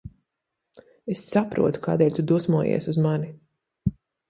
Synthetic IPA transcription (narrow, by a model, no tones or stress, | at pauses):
esːapɾṵɔt̪u̥ka̰ːd̪ɛːlʲt̪ud̪uɔsmuɔjḭɛsuzmani